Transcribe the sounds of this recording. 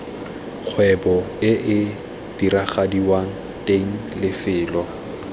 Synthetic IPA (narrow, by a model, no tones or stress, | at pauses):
k͡xʰwɛbɔɪʔɪ | d̥iɾaχadiwaŋ̩ | tʼeŋ̩lɪfɪːlɔ